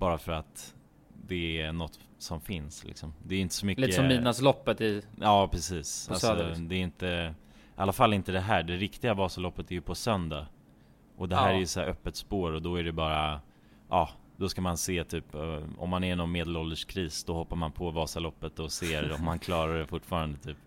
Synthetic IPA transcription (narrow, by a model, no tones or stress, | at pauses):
b̥ɑːɾafœɾat̪ | d̪ɛænɔt̪ː | sɔmfɪnslɪ̰ksɔmd̪ɛːjɪnt̪ə̥sɔmʏklit̪ːsɔmiːnaslɔpːət̪ɪɑːpʰɾɛsiːsa̰lɔd̪ɛɪnt̪ə | ʔalːafalːɪnt̪əd̪ɛɦæːɖɛɾɪkt̪ɪɡavɑːsalɔpːət̪ʰæɾjɵpʰɔsœnd̪a | ʔɔd̪ɛɦæːɾææjɵsæːɾʔœpːət̪spoːɾɔd̪ɔæɖɛbɑːɾa | ʔɑː | d̪̥ɔskamanseːt̪ʰyːpɔ̰mːanænɔnmeːd̪əlɔld̪əʂkʰɾiːsd̪ɔhɔpːaɾmanpʰɔvɑːsalɔpːət̪ɔseːɾɔmːankʰlɑːɾaɖɛfʊʈːfɑːɾand̪ət̪ʰyːp